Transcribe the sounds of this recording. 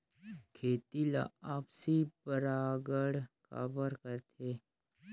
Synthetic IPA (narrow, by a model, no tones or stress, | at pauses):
kʰeːt̪ila̰aːpsipəɾaːɡəɽka̰ːbəɾkəɾt̪ʰeː